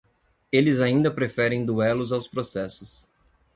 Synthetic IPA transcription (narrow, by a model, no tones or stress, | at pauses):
elɪzaĩnd̪ɐpɾefɛɾẽj̃d̪uɛlʊzawspɾosɛsʊs